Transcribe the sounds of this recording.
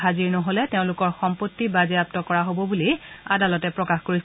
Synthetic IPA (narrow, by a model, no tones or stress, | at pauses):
aziɹnɔɦolɛteʊ̃lʊkɔɹxɔmpotːibazɛap̚tɔkɔɹaɦobɔbuliadalɔtɛpɹɔkaxkoɹis